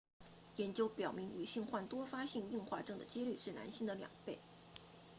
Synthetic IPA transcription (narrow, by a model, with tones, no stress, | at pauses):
jɛ˧˥nt͡ɕjo˥ʊpjɑ˨˩ʊmi˧˥ŋy˨˩ɕi˥˧ŋxwa˥˩nt̪wɔ˥fa˥ɕi˥˧ŋi˥˧ŋxwa˥˩ʈ͡ʂɤ˥ŋd̪ə̰˨t͡ɕi˥ly˥˧ʂɻ̩˥˩na̰˧˥nɕi˥˩ŋd̪ə˨ljɑ̰˨˩ŋpe˥˩ɪ